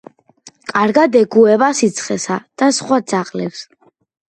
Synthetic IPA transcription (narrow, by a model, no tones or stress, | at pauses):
kʼaɾɡad̪ɛɡuɛβasit̪sʰχɛsad̪̥asχwad̪zaqʼlɛps